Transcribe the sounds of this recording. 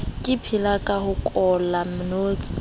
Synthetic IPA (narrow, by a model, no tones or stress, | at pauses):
kʼɪpʰɪlakʼahʊkʼɔlamʊnoːt͡sʼi̥